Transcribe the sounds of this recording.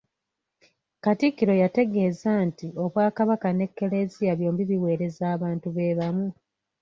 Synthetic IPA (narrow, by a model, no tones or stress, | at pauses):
katikːiɾo̞jate̞ɡe̞ːzantio̞βwaːkaβakane̞kːe̞le̞zijaβjo̞ːmbiβiwe̞ːɾe̞zaːβaːntuβe̞βamu